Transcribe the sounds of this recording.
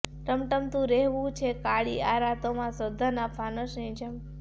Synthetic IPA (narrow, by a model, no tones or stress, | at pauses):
ʈəmʈəmt̪ũɾɛɦʋũt͡ʃʰekaɭiaɾat̪omãsəd̪ʱənapʰanəʃnĩd͡ʒəm